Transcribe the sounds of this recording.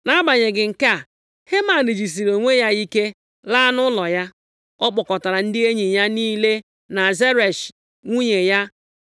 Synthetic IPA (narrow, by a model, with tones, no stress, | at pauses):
na˦ba˨ɲe˨ɡɪ˨ŋ̩˨ka˦˨ | he˦ma˨ni˨d͡ʒi˨s̬i˨ɾo˨ŋʷe˦ja˦i˦ke˦ | la˦nʊ˦lɔ˨ja˦ | ɔ˦k͡pɔ˨kɔ˨ta˨ɾa˨n̩˦dɪ˦e˦ɲi˨ɲa˦niː˦le˦ | na˨ze˦ɾe˨ʃ | ŋʷu˦ɲe˨ja˦